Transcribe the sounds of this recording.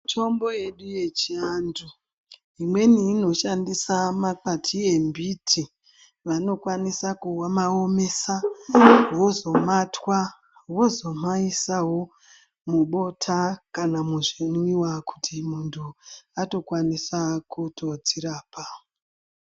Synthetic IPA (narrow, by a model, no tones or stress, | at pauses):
tʰo̞mbo̞je̞ɗuje̞t͡ʃiandu | imwe̞niːno̞ʃandisamakatʰie̞mbitʰi | ʋano̞kwanisakuwamaome̞sa | wo̞zo̞matwa | wo̞zo̞maisawo̞ | muɓo̞tʰakanamuʐinwiwaku̥timuntʰuato̞kwanisakutʰo̞d͡ziɾaːpa